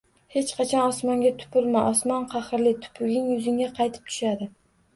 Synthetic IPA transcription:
he̞t͡ʃqʰɑt͡ʃʰɒnɒsmɒŋɡʲat̪ʰʊ̥pʰʊɾmaʔɒsmɒnqʰɑχɨɾlɪt̪ʰʊ̥pʰʊɡʲɪŋjʊzɪŋʲaqʰɑjt̪ʰɪ̥p̚t̪ʰʊ̥ʃad̪ɪ

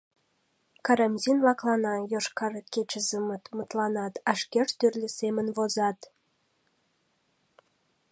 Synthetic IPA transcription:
kɑɾɑmʲzinlɑklˠɑnɑjoʃkɑrket͡ɕəzəmət̪mət̪lɑnɑt̪ɑʃkeʃt̪yrlʲesemənβozɑt̪

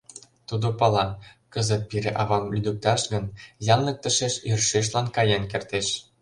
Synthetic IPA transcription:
t̪ud̪opɑlɑkə̆zə̆t̪̚piɾeʔɑβɑmlyd̪uk̚t̪ɑʃɡə̆njɑnlɤ̆k̚t̪ə̆ʃeʃirʃeʃ̬lɑnkɑjenkert̪eʃ

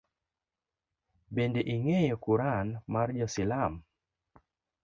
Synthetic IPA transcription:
bendeʔiŋejɔkuɾanmard͡ʒɔsɪlam

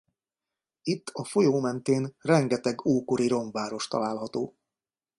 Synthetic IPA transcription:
it̪ːɒfo̞joːmɛnt̪eːnrɛŋɡɛt̪ɛɡoːkoɾiɾo̞ɱvaːɾo̞ʃt̪ɒ̰laːlɦɒt̪oː

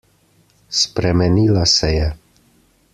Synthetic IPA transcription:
spɾemenilasejɛ

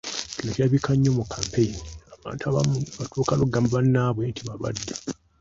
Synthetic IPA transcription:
kinokaβikaɲːomukʰːaːmpeiniaβa̰ːntaβaβatʰuːkaluɡamβanːaːβwentʰiβaβa̰dːḁ

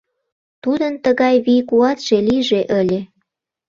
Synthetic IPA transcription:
t̪ud̪ənt̪əɣɑjβijkuɑt̪ʒ̥eliʒeʔəlʲe

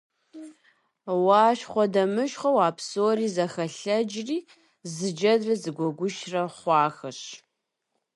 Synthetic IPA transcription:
waːʃχʷɔdɐmɨʃχɐwaːpʰsoːriːzɐxɐɬɐd͡ʒriː | zɨd͡ʒɐdrɐzɨɡʷɔɡʷʊʃrɐχʷɑːxɐɕ

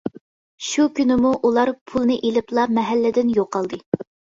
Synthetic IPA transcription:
ʃukʲynɪmuʔulˠɑɾpʰulˠnɨʔelɪplˠɑmɛɦælːɪd̪ɪnjoqʰːɑlˠd̪ɨ

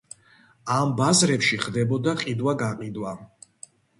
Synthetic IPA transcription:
ambazɾɛpʃiχd̪ɛbɔd̪aqʼid̪waɡaqʼid̪wa

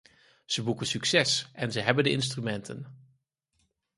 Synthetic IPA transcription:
z̥əbukənsyksɛsʔɛnzəɦɛbəndəɪnstrymɛntʰə̰n

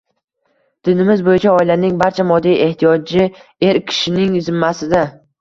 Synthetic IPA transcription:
d̪̥ɪnɪmɪzbojɪt͡ʃʰaɒɪlanɪŋbaɾt͡ʃʰamɒd̪ːijʔe̞ht̪ʰijɒd͡ʒɪe̞ɾkʲʰɪ̥ʃɪnɪŋzɪmːasɪd̪a

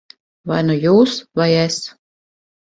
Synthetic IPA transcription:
vajnujuːsvajɛs

